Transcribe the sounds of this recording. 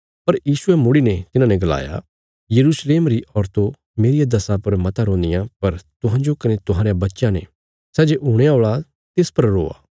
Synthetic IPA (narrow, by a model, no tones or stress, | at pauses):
pɐɾjiːsʊemʊɽinet̪ɪnãːneɡɐla̰ːja̰ | jɐɾuːsleːmɾiʔɔːɾt̪o | meːɾijad̪ɐsãpɐɾmɐt̪aɾɔ̃ːnd̪ɪjãpɐɾt̪ʊɦãːɲd͡ʒokɐnet̪ʊɦãːɾejãbɐtːʃãnḛ | sɛːd͡ʒeʔuːɽ̃eaoːɭa | t̪eːspɐɾːo̰ːa̰ː